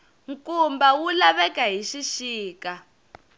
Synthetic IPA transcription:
ŋkumbawulaβɛkaɦiʃiʃiːka

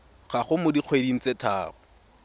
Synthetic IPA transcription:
χaχʊmʊdiq͡χʰwedin̩t͡sʼetʰa̰ːχʊ

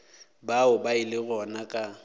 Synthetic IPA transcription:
baʊbaɪlɪɣɔnakʼa

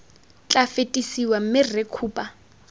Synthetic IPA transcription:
t͡ɬʼafetʼisiwam̩mɪrekʰuːpʼa

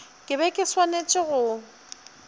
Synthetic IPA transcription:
kʼɪbɛkʼɪswanet͡ʃʼɪɣʊ

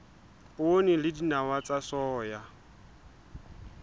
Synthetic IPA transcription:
onilɪdinawat͡sʼasɔːja

